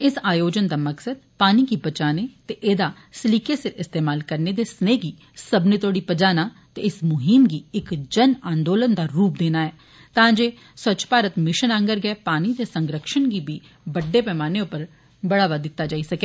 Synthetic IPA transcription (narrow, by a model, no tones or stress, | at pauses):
ɪsaːjoːd͡ʒənd̪aːməksəd̪̚paːniɡiːbət͡ʃaːneːt̪eʔeːd̪aː | sliːkesɪɪst̪eːmaːlkəɾned̪eːsneːɡiː | səbnet̪oːɽiːpəd͡ʒaːnaː | t̪eɪsmʊɦɪmɡiːɪkd͡ʒənãːnd̪oːlənd̪aːɾuːp̚d̪eːnaːɛː | t̪ãːd͡ʒeː | sət͡ʃpaːɾət̪mɪʃənãŋɡəɾɡɛːpaːnid̪eːsəŋɡɾəkʃənɡiːbiː | bəɖːeːpɛːmaːneʊpəɾ | bəɽaːʋad̪ɪt̪ːaːd͡ʒaːisəkeː